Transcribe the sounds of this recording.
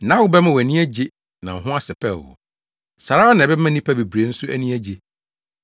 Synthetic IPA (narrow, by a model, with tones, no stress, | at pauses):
nã˦wʊ˦bɛ˦mã˦wnĩ˦æ˦d͡ʑe˦ | nã˨ɦʊ̃˦a˦sɪ˨pʰɛ̰˦˨wɔ̰˨ | sa˨ɾa˦ɔ˦nã˨bɛ˦mã˦nĩ˦pʰa˦be˨bɾe˨˦n̩˦sʊ˦æ˦nĩ˦æ˦d͡ʑe˨